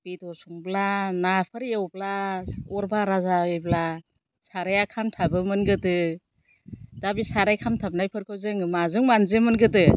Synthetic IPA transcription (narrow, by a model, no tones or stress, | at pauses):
b̥itɔɾsuŋblanapʰɯɾjewblaɔɾbaɾazaibla | saɾajakʰamtʰabɯmɯnɡɯtɯ | dabisaɾajkʰamtʰab̚najpʰɯɾkʰɯwzɯŋɯmazɯŋmanzɯmɯnɡɯtɯ